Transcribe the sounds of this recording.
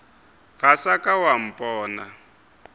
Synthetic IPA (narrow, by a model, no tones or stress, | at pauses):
ɣasakʼawam̩pʼɔːna